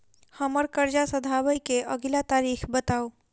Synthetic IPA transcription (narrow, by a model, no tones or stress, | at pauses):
həməɾkəɾd͡ʒasəd̪ʱabəjkeʔəɡlat̪aɾikʰbət̪ao